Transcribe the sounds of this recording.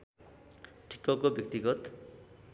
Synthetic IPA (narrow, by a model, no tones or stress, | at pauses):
ʈʰi̥kːʌkobjʌk̚t̪iɡʌt̪